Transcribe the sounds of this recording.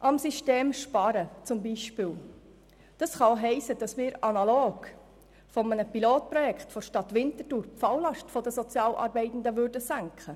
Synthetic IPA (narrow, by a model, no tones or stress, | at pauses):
ʔɑmsiʃteːmʃpɑɾət͡sʊmbiːʃpɪːl | d̥ɑsχɑlɦɛɪsəd̥ɑsmɪːɾɑnɑloːɡ̥ | fɔmənəpiloːt̚pɾɔjɛkχtfɔʃtɑt̪ʋɪntətuːɾpfɑwlɑʃtfɔdəsɔt͡sjɑːlʔɑ̰ɾbɛɪtn̩dəʋʏɾdəsæŋkχə